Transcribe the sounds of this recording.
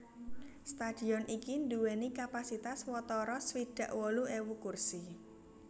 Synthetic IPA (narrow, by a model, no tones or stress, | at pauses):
st̪ad̥i̤ɔnʔikind̪uwenikapasit̪aswɔt̪ɔɾɔswid̥a̤ʔwɔluewukursi